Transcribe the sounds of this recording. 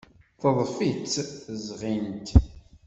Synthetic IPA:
θəðˤfit͡sːzʁint̪

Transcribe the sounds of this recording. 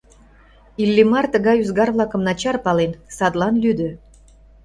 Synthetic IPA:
ilːimɑrt̪ə̆ɣɑjyzɡɑrvlˠɑkə̆mnɑt͡ɕɑrpɑlensɑd̪lɑnlyd̪ø̆

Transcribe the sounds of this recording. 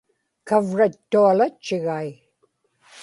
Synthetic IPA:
kavɻat̪ːualat͡ʃːɪɣai

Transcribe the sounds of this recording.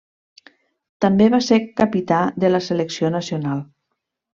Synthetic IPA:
t̪ambeβasekapit̪ad̪ələseleksionəsionalˠ

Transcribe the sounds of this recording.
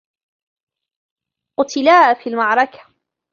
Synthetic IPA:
qʊt̪ɪlaːfilmɑʕɾˤɑkḁ

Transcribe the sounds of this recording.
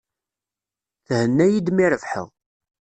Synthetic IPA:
θhənːæjid̪miɾəvħə̰ʁ

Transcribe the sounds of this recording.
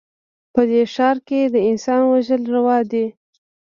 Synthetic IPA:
pəd̪eʃɑɾked̪əɪnsɑnwaʒəlɾawɑd̪e

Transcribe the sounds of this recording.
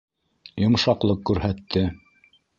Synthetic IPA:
jŏmʃɑqlˠɤqːʉɾɦæt̪ːɘ

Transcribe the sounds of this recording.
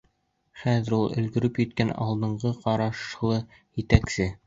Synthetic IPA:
χæðɘ̆ɾulˠɵ̆lɡɵ̆ɾɵpjɘ̆t̪kænɑ̰lˠd̪ɤ̆ɴɢɤqɑɾɑʃlˠɤ | jɘ̆t̪æksɘ

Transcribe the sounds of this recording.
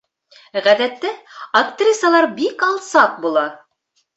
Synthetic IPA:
ʁæðæt̪ːɘɐkt̪rʲisɑlˠɑɾbikɑlˠsɑq̚bulˠɑ

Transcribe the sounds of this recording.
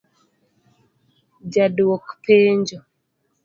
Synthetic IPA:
d͡ʒadwɔkpeːɲd͡ʒɔ

